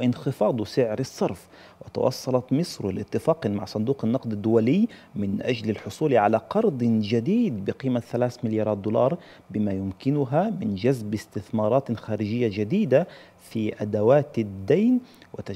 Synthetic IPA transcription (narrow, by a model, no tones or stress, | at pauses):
ʔɪnxɪfɑːd̪ˤsɪʕɾɑsˤːɑɾˤf | wɪt̪ɑ̰wʔɑ̰sˤːɑlɑt̪mɪsˤɾlʔɪt̪ːɪfɑːqmaʕsˤʊnd̪uːqɪnːɑqd̪ad̪ːʊwalɪjːmɪnʔad͡ʒlɪlħʊsˤuːlʕalaqɑɾˤd̪ˤd͡ʒad̪iːd̪bɪqiːmaθalaːθmɪljɑːɾˤɑːt̪̚d̪uːlɑːɾˤ | bɪmajʊmkɪnʊɦamɪnd͡ʒazbɪst̪ɪθmɑːɾˤɑːt̪xaːɾɪd͡ʒɪjːad͡ʒad̪iːd̪a | fiʔad̪awaːt̪ɪd̪ːajnwɪt̪a